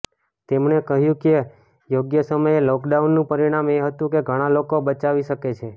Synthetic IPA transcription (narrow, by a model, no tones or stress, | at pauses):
t̪emɳekəɦjũke | joɡjəsəməjelɔkɖaunːũpəɾiɽ̃ameɦət̪ũkeɡʱəɽ̃alokobət͡ʃaʋiʃəket͡ʃʰe